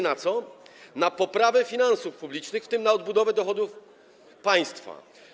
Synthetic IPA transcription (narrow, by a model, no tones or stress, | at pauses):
nat̪sɔnapɔpɾavɛfʲinãnsufpublʲit͡ʂnɘxft̪ɘmnaɔd̪̚bud̪ɔvɛd̪ɔxɔd̪uf | paj̃st̪fa̰